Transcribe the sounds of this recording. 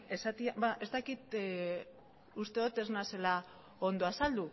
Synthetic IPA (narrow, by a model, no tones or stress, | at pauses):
e̞sat̪iabaʔe̞st̪akit̪ | ust̪e̞ðot̪e̞znase̞la | o̞nd̪oasald̪u